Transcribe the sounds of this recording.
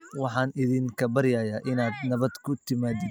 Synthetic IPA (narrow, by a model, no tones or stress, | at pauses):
wɑħɑːnɪðiːŋkʰɐbɐɾjaːjaːʔɪnaːd̪nɐβɐd̪kʰʊt̪ʰɪmaːd̪ɪd̪